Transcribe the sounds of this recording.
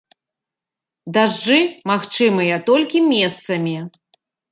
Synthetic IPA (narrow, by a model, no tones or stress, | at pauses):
d̪aʐːɨmaxt͡ʂɨmɨjɐt̪ɔlʲkʲimʲɛst̪sɐmʲi